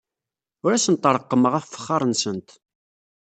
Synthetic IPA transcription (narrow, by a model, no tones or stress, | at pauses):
ʊɾæsənt̪ˤːəɾˤəqːəməʁæffə̥χːɑɾˤənsənt̪